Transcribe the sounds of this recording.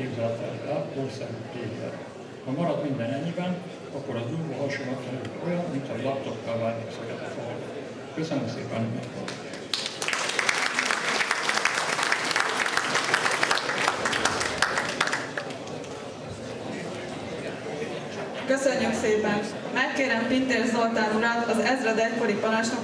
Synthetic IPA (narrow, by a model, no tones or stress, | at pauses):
eːbzalɛt̪aːʃɛlkoːrsɛɾyːt̪eːɡɛ̰t̪ | hɒmɒɾɒd̪mind̪ɛnɛɲːibɛn | ɒkːo̞ɾɒzuːɡoɦɒʃonɒk̪ɛnylt̪o̞jɒnmint̪hɒlɒp̚t̪o̞kːɒlvaːlt̪oksokɛt̪ɛfoɡ̪ | køsønømsḛːpɛnymɛ̰t̪o̰l | køsøɲːøkseːpɛn | mɛkːeːɾɛmpint̪eːrsolt̪aːvuɾaːt̪ɒzɛzrɛd̪ɛkoɾipɒnaːʃnɒ